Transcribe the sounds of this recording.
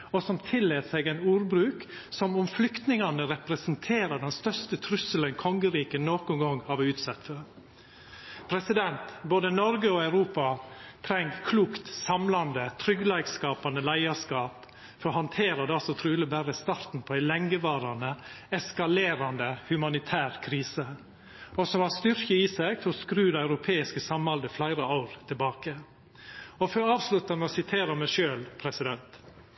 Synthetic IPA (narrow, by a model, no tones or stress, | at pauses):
ɔsɔmt̪ʰɪlːeːt̪sɛɪɡæɪnuːɾbɾʉːk | sɔmʊmflʏkt̪nɪŋɑnəɾɛpɾɛsnt̪ʰeːɾəɖɛnst̪œst̪ət̪ʰɾʉsələnkʰɔŋɡəɾiːkənoːkʊŋɡɔŋɑʋʉːt̪sɛt̪fə | pʰɾɛsɪd̪ɛnt̪boːd̪ənɔɾɡəɔɑʉɾuːpɑt̪ʰɾɛŋkʰluːkt̪sɑmlɑnd̪ət̪ʰɾʏɡlɑɪɡskɑːpɑnd̪əlæɪɑskɑːp | fɔɾɔhɑnt̪ʰeːɾɑd̪ɛɑlsɔt̪ʰɾʉːlɪbæɾəst̪ɑːɾt̪n̩pʰɔæɪlɛŋɡəʋɑːɾɑnə | ɛskɑleːɾɑnd̪əhʉmɑnɪt̪ʰæːɾkʰɾiːsə | ɔsɔmʋɑst̪ʏɾkəisæɡfɔɾɔskɾʉːd̪ɑʉɾʊpʰeːɪskəsɑmɑld̪əflæɪɾəɑʊɾt̪ʰɪlbɑːkə | ɔfɔɾɑːʋslʉt̪ɑnəɔsɪt̪ʰeːɾəmæɪʃøːlpʰɾɛsɪd̪ɛnt̪